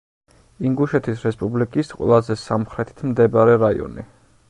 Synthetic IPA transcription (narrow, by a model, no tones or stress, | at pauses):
iŋɡuʃɛt̪ʰisɾɛspʼublikʼisqʼwɛ̰lˠazɛsamχɾɛt̪ʰi̥t̪ʰmd̪ɛbaɾɛɾaḭɔ̰ni